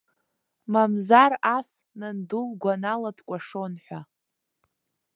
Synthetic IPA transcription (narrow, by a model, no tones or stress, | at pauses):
mamzaras | nɨndulɡʷanaladkʷʼaʂonħʷa